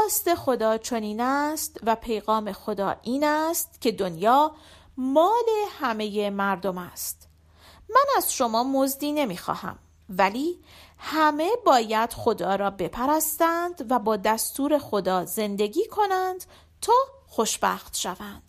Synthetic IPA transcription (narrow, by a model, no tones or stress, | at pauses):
ɒːst̪e̞xo̞d̪ɒːt͡ʃʰo̞niːnæst̪væpʰe̞jɣɒːme̞xo̞d̪ɒ̰ːʔiːnæst̪cʰe̞d̪onjɒː | mɒːle̞hæme̞je̞mæɾd̪o̞mæst̪ | mænæz̥ʃo̞mɒːmo̞zd̪iːne̞miːxɒ̰ːhæ̰m | væliːhæme̞bɒːjæd̪̥xo̞d̪ɒːɾɒːbe̞pʰæɾæst̪ænd̪̥væbɒːd̪æst̪uːɾe̞xo̞d̪ɒːze̞nd̪e̞ɡiːkʰo̞nænd̪̥ | t̪ʰɒː | xo̞ʃb̥æ̰ːxt̪ʃævænd̪̥